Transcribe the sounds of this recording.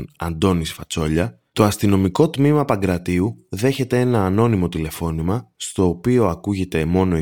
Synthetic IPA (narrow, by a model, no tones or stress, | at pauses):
nɐ̰nd̪o̞nisfɐt͡so̞ʎɐ | t̪o̞ɐst̪ino̞miko̞t̪mimɐpɐŋɡɾɐt̪iuðe̞çe̞t̪e̞e̞nɐːno̞nimo̞t̪ile̞fo̞nimɐst̪o̞ːpio̞ɐkuʝe̞t̪e̞mo̞no̞